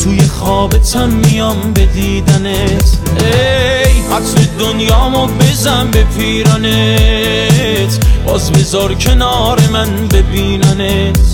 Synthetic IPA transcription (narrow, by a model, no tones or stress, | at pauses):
t̪ʰuːjeχɒːbe̞t̪ʰæmːijɒmbe̞d̪iːd̪ænet̪ʰejhæt̪med̪onjɒːmɔbezæmbepʰiːɾæne | t̪ʰb̥ɒːzbe̞zɒɾcʰe̞nɒːɾe̞mæn | be̞biːnæne | t̪